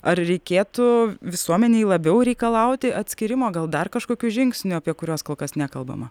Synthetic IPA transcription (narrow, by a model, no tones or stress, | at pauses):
ɐrɾʲɛɪkʲeːt̪ʊʋʲɪsuɔmʲɛnʲɛɪlˠɐbʲɛʊɾʲɛɪkɐlˠɐʊt̪ʲɪʔɐt̪ʲsʲkʲɪɾʲɪmoːɡɐlˠd̪ɐrkɐʃkoːkʲuʒʲɪŋksʲnʲʊɐpʲiɛkʊɾʲoːskoːlˠkɐsnʲæːkɐlˠbɐ̰mɐ